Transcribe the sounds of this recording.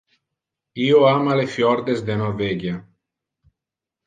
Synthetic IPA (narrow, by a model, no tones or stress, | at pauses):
ioamalefjɔɾd̪ezd̪enoɾveɡja